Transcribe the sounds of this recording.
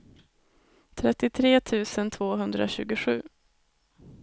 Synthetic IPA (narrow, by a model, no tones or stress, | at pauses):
t̪ʰɾɛt̪ːɪt̪ʰɾeːt̪ʰʉ̟ːsənt̪ʰvoːɦɵnd̪ɾa̰ɕʉ̟ːɡʊɧʉ̟ː